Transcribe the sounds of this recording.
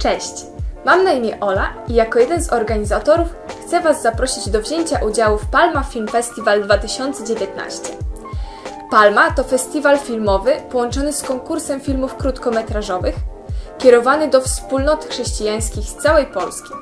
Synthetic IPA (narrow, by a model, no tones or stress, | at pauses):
t͡ʂɛɕt͡ɕmamnaimʲɛʔɔlaijakɔjɛd̪ɛnzɔɾɡaɲizat̪ɔɾufxt̪sɛvazːapɾɔɕid͡ʑd̪ɔvʑeɲt͡ɕaʔud͡ʑawufpalmafʲilmfɛst̪ʲivald̪vat̪ɘɕɔnt̪sɛd͡ʑevʲjɛt̪na̰ɕt͡ɕɛ | palmat̪ɔfɛst̪ʲivalfʲilmɔvɘpɔwɔnt͡ʂɔnɘskɔŋkuɾsɛmfʲilmufkɾut̪kɔmɛt̪ɾaʐɔvɘxkʲɛɾɔvanɘd̪ɔfspulnɔt̪xʂɛɕt͡ɕijaj̃skʲixst̪sawɛjpɔlskʲi̥